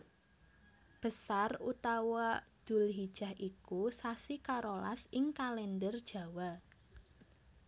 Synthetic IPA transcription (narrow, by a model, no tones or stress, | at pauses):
b̥ə̤sarut̪awad̪̥ʊ̤lɦid̥ʒ̥a̤hʔikusasikaɾola̰sɪŋkalɛndərd̥ʒ̥ä̤wa